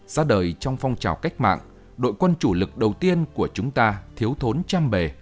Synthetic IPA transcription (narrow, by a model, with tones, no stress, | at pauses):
z̥aː˧ɗəː˨˩jt͡ɕɔ˧wŋ͡mfɔ˧wŋ͡mt͡ɕaː˧˩wka˦˥jk̟̚ma̰ː˧˨ŋ | ɗo̰˧˨jkwə˧nt͡ɕu˧˩lɨ˨˩k̚ɗə˨˩wt̪i˧ənku˧˩ət͡ɕʊ˨˦ŋ͡mt̪aː˧t̪ʰi˨˦əwt̪ʰo˨˦nt͡ɕaː˧mɓe˨˩